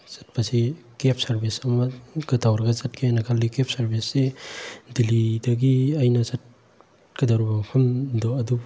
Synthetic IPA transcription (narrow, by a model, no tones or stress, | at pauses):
z̥ɐ̥t̚pasi | kep̚ʰsɐɾbisɐmɐɡɐtʰawɾɐɡɐzɐt̚kʰajanɐkʰalːikep̚ʰsɐɾbisːedilidɐɡiajnɐzɐt̚ | kɐdaɾubapʰɐmdɔɐdu